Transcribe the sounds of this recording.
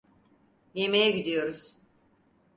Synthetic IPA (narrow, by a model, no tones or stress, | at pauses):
jemejɛɟid̪ijo̞ɾuz̥